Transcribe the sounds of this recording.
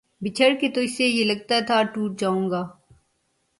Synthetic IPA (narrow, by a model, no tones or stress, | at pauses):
bɪt͡ʃʰəɾket̪oɪsejelɐɡ̚t̪at̪ʰaʈuːʈ̚d͡ʒaːũːɡaː